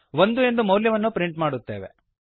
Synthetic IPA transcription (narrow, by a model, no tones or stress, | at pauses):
ʋond̪ue̞nd̪umɐwljɐʋɐnːupɾiɳʈmaːɽut̪ːe̞ːʋḛ